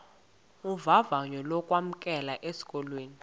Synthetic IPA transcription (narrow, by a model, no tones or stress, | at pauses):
uvavaɲɔlɔkʼwam̩kʼɛlaʔesi̥kʼɔlweːni